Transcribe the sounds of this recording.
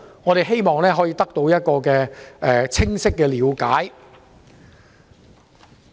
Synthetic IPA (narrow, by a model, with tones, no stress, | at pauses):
ŋɔː˨˧t̪e˨jɦe˥jmɔː˨ŋlɛː˥ɦɔː˨˥jiː˨˧t̪ɐ˥k̚t̪o˧wjɐ˥t̚kɔː˧kɛː˧ɛː˨t͡sʰɪ˥ŋsɪ˥kːɛː˧liː˨˧wkaː˨˥j